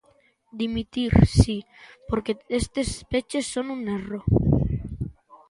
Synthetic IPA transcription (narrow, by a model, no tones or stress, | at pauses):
d̪imit̪iɾsipoɾkeest̪espet͡ʃesːonunero